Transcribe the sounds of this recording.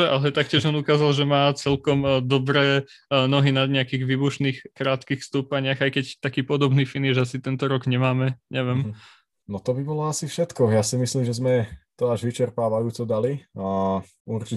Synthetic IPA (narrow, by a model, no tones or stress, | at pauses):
ɛʔalɛt̪ak̚cɪɛʒɔnukaːzalˠʒɛmaːt͡sɛlkɔmd̪ɔbɾɛː | nɔɦinad̪ɲɛakiːɣʋiːbuʃniːxkɾaːt̪kixfst̪uːpaɲɪaɣajkɛct̪akiːpɔd̪ɔbniːfiniʒasit̪ɛnt̪ɔɾɔɡɲɛmaːmɛɲɛʋɛm | nɔt̪ɔbibɔlɔasifʃɛt̪kɔɣjaːsimislimʒɛzmɛt̪ɔaʒʋit͡ʃɛɾpaːʋajuːt͡sɔd̪alia | uɾt͡ʃi